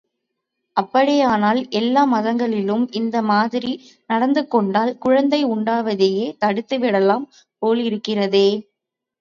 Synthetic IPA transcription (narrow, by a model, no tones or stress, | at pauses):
ʔɐpːɐɽɪjaːnaːlʔɛlːaːmɐðɐŋɡɐɭɪlɯmʔɪnd̪ɐmaːðɪɾi | nɐɽɐnd̪ɯkːɔɳɖaːlkʊɻɐnd̪ɐɪʊɳɖaːʋɐðejeːt̪ɐɽɯt̪ːɯʋɪɽɐlaːm | poːlɪɾɯkːɪrɐðeː